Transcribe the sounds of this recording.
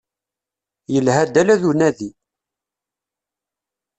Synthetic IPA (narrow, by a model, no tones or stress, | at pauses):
jəlhæd̪ælæðunæði